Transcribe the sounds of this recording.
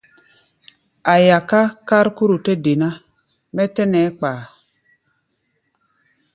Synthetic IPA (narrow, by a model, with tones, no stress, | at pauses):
a˨ja˨ka˦ka˦ɾku˦ɾu˨te˦de˨na˦ | mɛ˦tɛ˦nɛ˨˦k͡paː˨